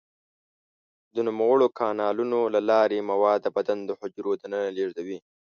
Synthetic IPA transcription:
d̪ənʊmawəɽokɑːnɑːlunolalɑːɾemawɑːd̪bad̪and̪əhʊd͡ʒɾod̪anənaleːʐd̪awi

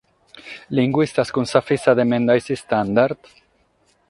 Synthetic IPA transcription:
liŋɡwist̪askunsafisaðemẽnd̪ajsist̪and̪aɾt̪

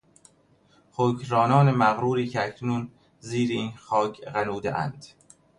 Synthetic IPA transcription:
xocʰɾɒːnɒːnemæɣɾuːɾiːcʰeæcʰnuːn | ziːɾeiːnxɒːcʰɢænuːd̪ḛʔæ̰nd̪̥

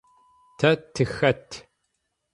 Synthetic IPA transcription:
tʰɐtʰːɨxɐtʰː

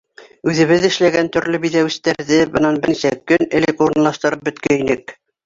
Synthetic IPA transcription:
ʉðɘ̆βɘðɘ̆ʃlæɡænt̪ɵ̆ɾlɵbiðæwɘ̆st̪æɾðɘbɤ̆nɑnbɘnisækɵnɘ̆lɘkuɾɤ̆nlˠɑʃt̪ɤ̆ɾɤp̚bɵ̆t̪kæinɘk

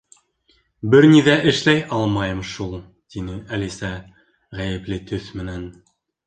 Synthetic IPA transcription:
bɘɾniðæʔɘ̆ʃlæjɑlˠmɑjɤmʃulˠ | t̪inɘælisæ | ʁæjɘ̆plɘt̪ʰɵθmɘ̆næn

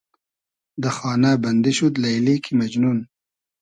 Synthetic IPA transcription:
d̪əxɑːnaband̪iʃud̪lajlikʰimad͡ʒnun

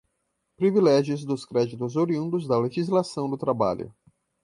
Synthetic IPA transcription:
pɾivilɛʒjʊzd̪ʊskɾɛd͡ʒit̪ʊzoɾiũnd̪ʊzd̪ɐleʒizlasɐ̃w̃d̪ʊt̪ɾaba̰ʎʊ̰

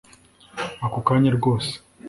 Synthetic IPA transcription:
akokaːɲaɾɡo̞ːse̥

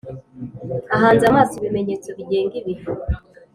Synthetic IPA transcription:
aɦaːnzamaːsiβimeɲeːt͡so̞βiɟe̞ːŋɡiβiho

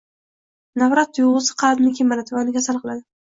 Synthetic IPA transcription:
navɾat̪̚ːjuʁɨzɪ̥qʰɑbnɪkʲʰimːanat̪ʰvɒnɪɡʲasalˠqlad̪ɪ

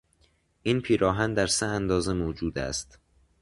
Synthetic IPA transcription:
ʔiːnpʰiːɾɒːɦænd̪æɾseænd̪ɒːze̞moːd͡ʒuːd̪æ̰st̪

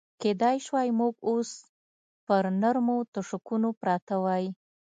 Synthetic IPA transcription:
ked̪ɑjʃwɑjmuɡos | pəɾnaɾmot̪ʊʂʊkunopɾɑt̪awaj

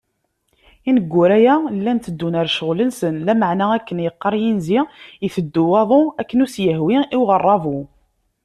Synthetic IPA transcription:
inəɡʷːʊɾæjælːænt̪əd̪ːunəɾʃəʁlənsənlæməʕnæækːənjəqːəɾˤjinzijiθəd̪ːuwɑðˤoækːənusjəɦwiʔiwʁərˤːɑvo

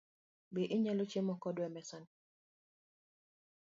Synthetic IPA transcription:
beʔɪɲɛlot͡ʃemɔkɔdwɛmɛsan

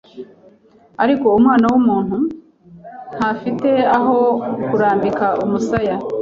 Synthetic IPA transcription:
aɾiko̞umŋaːnawumuːn̥hu | n̥hafite̞aɦo̞kuɾaːndikaʔumusaja

